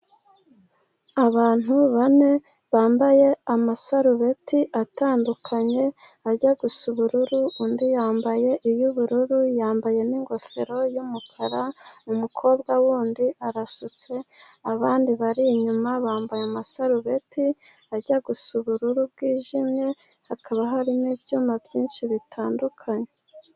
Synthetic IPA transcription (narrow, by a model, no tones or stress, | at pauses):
aβaːn̥huβane̞ | βaːmbaje̞amasaɾuβe̞tiʔataːndukʰaɲe̞ | aɾɟaɡusuβuɾuɾuundijaːmbaje̞ʔijuβuɾuɾujaːmbaje̞niŋɡo̞fe̞ɾo̞jumukʰaɾamumukʰo̞ːbɡawuːndiʔaɾasut͡se̞ | aβaːndiβaɾiɲumaβaːmbajamasaɾuβe̞ti | aɟaɡusuβuɾuɾubɡiːʒimɲe̞hakʰaβaɦaɾinibjuːmabjiːnʃiβitʰaːndukʰaɲe̞